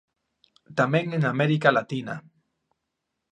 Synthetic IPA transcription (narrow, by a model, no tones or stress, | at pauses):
t̪ameŋenameɾikalat̪ina̰